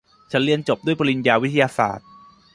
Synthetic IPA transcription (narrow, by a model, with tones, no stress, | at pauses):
t͡ɕʰa˦˥nli˥ənt͡ɕo˨˩p̚du˥˩əjpa˧li˧njaː˧wi˦t̪ʰːa˧jaː˧sa̰ː˨˩t̪̚